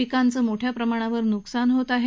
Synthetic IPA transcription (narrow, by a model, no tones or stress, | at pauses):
ikant͡səːmoʈʰjapɾəmaɽ̃aʋəɾnuksanɦot̪aɦe